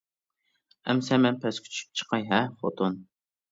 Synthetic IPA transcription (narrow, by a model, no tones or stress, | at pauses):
ɛ̰msɛmɛnpʰɛskʲʰy̥t͡ʃʰy̥p̚t͡ʃʰə̥qʰɑjɦɛfo̰t̪ʰon